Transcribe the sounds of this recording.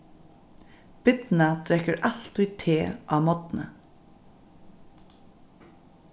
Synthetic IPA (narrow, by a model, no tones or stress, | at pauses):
b̥ɪt̪n̩ɑt̪ʰɾɛkəɾʔɑlt̪oːiːt̪ʰeːʔɑːmɔt̪n̩ə̰